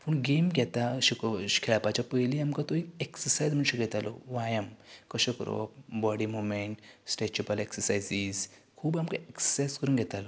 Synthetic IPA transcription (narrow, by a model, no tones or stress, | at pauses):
puɳɡemɡʱɛt̪aɕikɔ̥kʰɛɭapat͡ɕapəjliamkat̪oikeksəɾsajd͡zm̤əɳɕeɡʱɛt̪alɔ̰ʋajəmkəɕekə̰ɾɔ̰bɔɽimumẽɳʈsʈet͡ɕupəleksəɾsajziz | kʰuːbamkaeksə̥saskəɾuːnɡʱɛt̪alɔ